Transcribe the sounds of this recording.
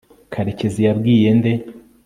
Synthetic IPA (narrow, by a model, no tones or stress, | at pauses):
kʰaɾe̞ce̞zijabɡiːje̞nde̞